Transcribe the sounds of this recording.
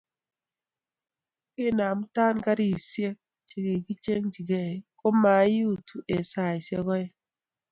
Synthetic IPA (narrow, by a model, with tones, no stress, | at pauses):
kɪ˦˨na˨m˦ta˦nka˦ɾi˨sje˦k̚ | t͡ʃe˨ɡe˨ɡi˦t͡ʃe˦ŋd͡ʒi˨ɡe˦˨ko˦ma˨˦ju˦˨tu˨ʔe˨sa˨i˨se˦ɡɔ˦ɛ˦